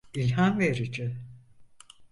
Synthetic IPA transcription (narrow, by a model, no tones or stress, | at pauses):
ilʲɦanveɾid͡ʒɪ